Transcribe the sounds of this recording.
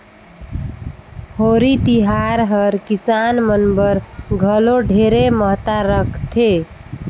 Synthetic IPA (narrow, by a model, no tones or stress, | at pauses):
hoɾit̪iɦaɾɦəɾkisanmənbəɾɡʱəloɖʱeɾeməɦt̪aɾəkʰt̪ʰe